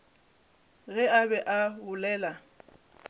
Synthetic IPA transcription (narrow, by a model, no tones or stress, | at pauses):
ɣɛabɛʔabʊlɛːla